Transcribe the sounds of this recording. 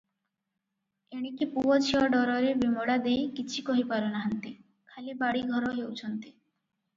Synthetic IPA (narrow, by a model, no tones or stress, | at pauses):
eɽ̃ikipuɔt͡ʃʰiɔɖɔɾɔɾebimɔɽad̪ejkit͡ɕʰikɔɦipaɾonaɦant̪i | kʰalibaɽiɡʱɔɾɔɦewt͡ʃʰɔnt̪i